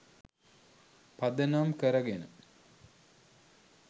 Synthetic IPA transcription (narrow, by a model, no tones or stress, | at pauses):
pad̪ənamkəɾəɡenə̰